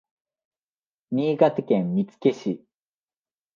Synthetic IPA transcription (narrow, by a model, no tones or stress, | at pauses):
mʲiːɡat̪ekẽmmʲit͡sɨ̥ke̞ɕi